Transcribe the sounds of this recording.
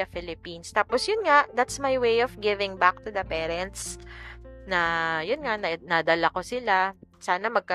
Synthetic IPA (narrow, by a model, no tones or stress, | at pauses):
ɐfɪlɪpinst̪aːposjʊnŋaʔd̪at̪smajwejɔfɡɪvɪ̃ŋbak̚t̪ud̪ɐpɛːɾɛnt̪s | nɐjʊnŋaʔnɐnad̪ɐlakosɪlasaːnɐmɐɡ̚kɐ